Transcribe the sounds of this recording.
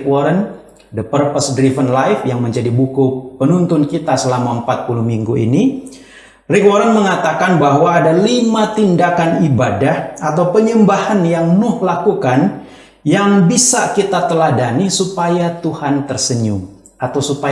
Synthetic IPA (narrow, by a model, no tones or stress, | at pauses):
kwɔɾən | dəpərpəsdɾivənlajfjaŋməɲd͡ʒadibukupənunt̪ʊnkit̪asəlamaəmpat̪̚puluhmiŋɡuḭni | rikwɔɾənməŋat̪akanbaɦwaːdalimat̪indakanibadahat̪awpəɲəmbahanjaŋmʊhlakukan | jaŋbisakit̪at̪əlahdanisupajat̪uhant̪ərsəɲʊ̰ŋ | at̪awsupa